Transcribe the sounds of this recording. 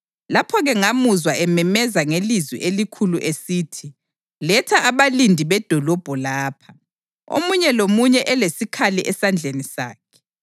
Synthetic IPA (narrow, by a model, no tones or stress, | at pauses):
lapʰɔɣɛŋamuzwaʔɛmɛmɛzaŋelizwḭʔelikʰuluʔesiːtʰi | lɛtʰaʔːβalindʱiβɛd̥ʱɔlɔb̥ʱɔlaːpʰa | o̰muɲɛlomuɲɛʔɛlesikʰaliʔɛsand͡ɮʱenisa̰ːkʰɛ̥